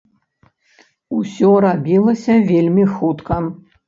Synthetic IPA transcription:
usʲɔɾabʲilˠɐsʲɐvʲelʲmʲixut̪kɐ

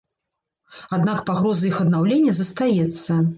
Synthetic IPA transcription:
ad̪nakpaɣɾɔzɐixɐd̪nawlʲenʲːɐzɐst̪ajɛt̪sːɐ

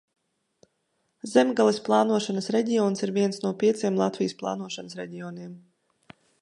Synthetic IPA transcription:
zɛmɡalˠisplˠɑːnuɔʃanəsɾɛɟʲiɔːnsiɾviɛnsnuɔpʲiɛt̪siɛmlˠat̪vʲijsplˠɑ̰ːnuɔʃanəsɾɛɟʲiɔːniɛm

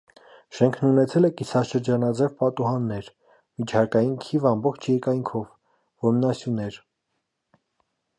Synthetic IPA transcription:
ʃɛŋkʰnunɛt͡sʰɛlɛkisɑʃəɾd͡ʒɑnɑd͡zɛvpɑt̪uɦɑnːɛɾ | mit͡ʃʰɑkɑjinkʰivɑmbɔχt͡ʃʰjɛɾkɑjŋkʰɔv | vɔmnɑsjunɛɾ

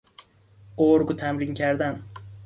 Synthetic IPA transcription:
oɾɡʊt̪ʰamɾɪŋkʲʰaɾd̪an

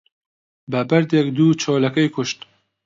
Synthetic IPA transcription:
bɐbɐɾd̪ekd̪uːt͡ʃʰɔːlɐkɛjkʰʊʃt̪

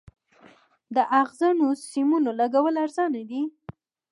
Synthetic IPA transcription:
d̪əʔaɣzanosimunolaɡawəlaɾzɑnad̪i

